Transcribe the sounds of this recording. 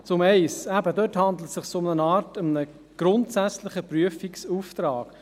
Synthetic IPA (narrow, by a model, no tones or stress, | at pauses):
t͡sʊmɛɪsæbədøthɑnd̪l̩ətsɪχsoʊmnənɑːtʊmənə | ɡ̥ɾʊntsæt͡slɪχəpryəfiksuːft̪ɾɑːɡ̥